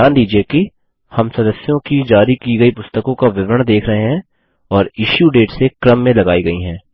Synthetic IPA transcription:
aːnd̪iːd͡ʒieki | hɐmsɐd̪əsjõkid͡ʒaːɾikiɡɐipʊst̪əkõkaʋɪʋɾəɽ̃d̪eːkʰɾɐɦeɦɛ̃ | ɔːɾɪʃjuɖeːʈsekɾəmːẽlɐɡaːiɡɐiɦɛ̃ː

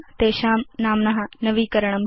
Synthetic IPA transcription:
t̪eːʃaːmnaːmnɐɦɐnɐʋiːkɐɾɐɳ̃ɐm

